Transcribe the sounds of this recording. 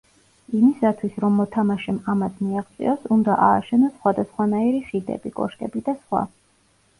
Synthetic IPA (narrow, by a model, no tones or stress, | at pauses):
imisat̪ʰwisɾɔmːɔt̪ʰamaʃɛmamasmiaʁt̪sʼḭɔsund̪aʔaːʃɛnɔsːχwad̪asχwanaiɾiχid̪ɛ̰bikʼɔ̰ʃk̪ʼɛbid̪asχwa̰